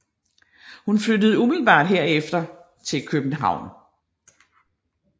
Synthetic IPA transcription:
hunflødəð̞̩ˠumilb̥ɑ̰̈ːd̥ɦe̝ɐ̰efd̥ɐ | t͡sʰe̝lkʰøb̥n̩ɦɑ̈ʊ̰n

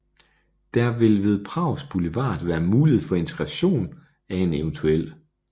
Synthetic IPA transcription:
d̥æɐʋe̝lʋe̝ð̞ˠpʰʁɑ̈ʊ̰sb̥uleʋɑ̰̈ːd̥ˠʋæːɐmuːliheð̩̰ˠfɒ̽e̝nt͡sʰeɡ̥ʁɑ̈ɕo̝̰ːn | æe̝neʊnt͡sʰuel̰

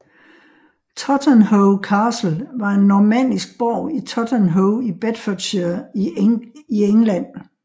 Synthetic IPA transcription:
t͡sʰɒd̥ənhoʊkʰɑ̈ːsl̩ʋɑ̈e̝nːɒmæn̰disɡ̥̚b̥ɒ̰ʊ̰it͡sʰɒd̥ʰənɦoʊib̥ed̥fɔd̥ɕi | ieŋlæn̰

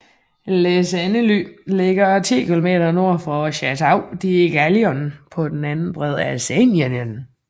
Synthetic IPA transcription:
lesænəlyle̝ɡ̥ɐt͡sʰḭːkilome̝̰ːdɐno̝ɐ̰fʁɒɕæt͡sʰɑ̈ʊ̰d̥iɡ̥æliɒnpʰɒ̽d̥enænn̩b̥ʁɛðˠæsɛnenən

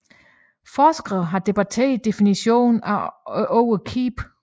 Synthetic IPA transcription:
fɒːsɡ̥ʁɐðˠɦɑ̈d̥e̝b̥æt͡sʰḛːɐid̥e̝finiɕo̝̰ːnæʔɔʊəkʰiːb̥

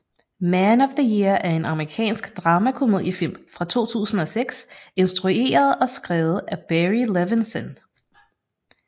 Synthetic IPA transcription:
mænɒ̽ʋðəjiɐæɐe̝nɑ̈məʁikʰɛ̰ːnsɡ̥d̥ʁɑ̈ːmækʰumeð̰ˠjəfil̰mfʁɑ̈t͡sʰo̝̰ːt͡sʰṵːsn̩ɒ̽seɡ̥se̝nsd̥ʁue̝̰ːɐð̞̩ˠɒ̽sɡ̥ʁɛːʊð̞̩ˠæb̥eʁileʋinsɔn

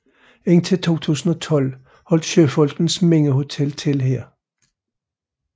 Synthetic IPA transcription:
e̝n̰t͡sʰe̝lt͡sʰo̝̰ːt͡sʰṵːsn̩ɒ̽t͡sʰɒ̽l̰ | hɒ̽l̰d̥ɕøfɒ̽lɡ̥n̩smeŋ̰əho̝t͡sʰelt͡sʰelhɛɐ̰

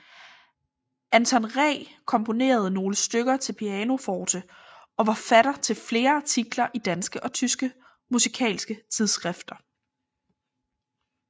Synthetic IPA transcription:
ʔænt͡sʰɒnʁɛ̰kʰɒ̽mpʰo̝ne̝̰ːɐð̞̩ˠəno̝ːləsd̥øɡ̥ɐt͡sʰe̝lpʰiɛːno̝fɒːd̥ʰə | ɒ̽ʋɑ̈fæɾ̥ɐt͡sʰe̝lfle̝ːɐt͡sʰiɡ̥lɐʔid̥ænsɡ̥əʔɒ̽t͡sʰysɡ̥ə | musikʰɛ̰ːlsɡ̥ət͡sʰið̞ˠsɡ̥ʁɛfd̥ɐ

